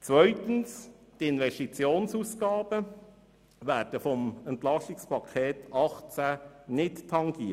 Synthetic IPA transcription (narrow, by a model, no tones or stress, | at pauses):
t͡sʋœʏt̪ənstɪnʋɛstit͡sjoːnsusɡ̥ɑːb̥ə | ʋæːɾd̥əfɔməntlɑstɪkspʰɑkʰeːtʰɑχt͡sænɪttʰɑŋɡ̥iə